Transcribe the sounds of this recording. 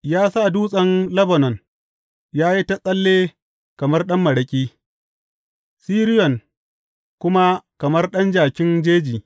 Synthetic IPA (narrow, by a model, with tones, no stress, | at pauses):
jaː˦sa˦˨duː˦sʼɐ˦nlɐ˦bɐ˨nɔ˨n | jaː˦ji˦ta˦sʼɐ˦lːeː˦ | kɐ˨mɐ˦rɗɐ˦mːɐ˨ɽɐ˨kʲʼiː˦ | siː˦ɾɪ˦jɔ˨ŋ | kʷʊ˦ma˦kɐ˨mɐ˦rɗɐ˦nd͡ʒaː˨kʲɪ˦nd͡ʒeː˦d͡ʒiː˨